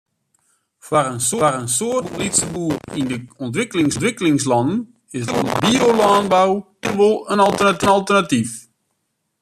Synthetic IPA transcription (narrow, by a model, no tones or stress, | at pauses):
farənsorənsoəlitsəbuːrindəɔntʋɪkəlɪŋstʋɪkəlɪŋslɑndən̩ | ɪstɔ̰ləbiolaːnbaw | əʋolˠənɑlˠtənɑlˠtərnatif